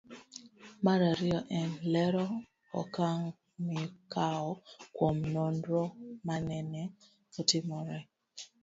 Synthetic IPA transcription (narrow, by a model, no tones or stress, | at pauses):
maɾaɾiɔʔɛnlɛɾɔ | ɔ̰kaŋ | mikaɔkwɔmnɔndɾɔmanɛnɛ | ɔtimɔɾɛ